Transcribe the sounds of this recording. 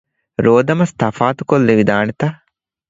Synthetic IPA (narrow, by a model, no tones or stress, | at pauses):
ɾoːd̪ɐmɐst̪ɐfaːt̪ukolːeʋid̪aːnet̪ɐ